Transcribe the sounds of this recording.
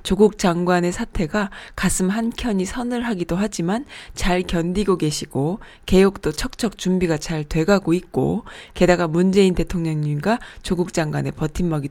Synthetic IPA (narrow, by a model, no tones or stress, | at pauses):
t͡ɕoɡuk̚t͡ɕ͈aŋɡwane̞sʰatʰe̞ɡakasʰɯmɦankʰjʌɲisʰʌnɯɭɦaɡidoɦad͡ʑimant͡ɕaɭkjʌndiɡoke̞ɕʰiɡ̥o | ke̞jok̚t͈ot͡ɕʰʌk̚t͡ɕʰʌk̚t͡ɕumbiɡat͡ɕaɭtwe̞ɡaɡoit̚k͈o̰ke̞daɡamund͡ʑe̞inte̞tʰoŋɲʌŋɲimɡat͡ɕoɡuk̚t͡ɕ͈aŋɡwane̞pʌtʰimːʌɡi